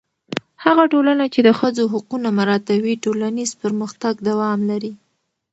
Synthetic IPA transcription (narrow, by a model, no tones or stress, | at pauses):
haɣaʈolanat͡ʃed̪əxəzoɦʊqunamaɾɑt̪awiʈolanizpəɾməxt̪aɡd̪awɑmlaɾi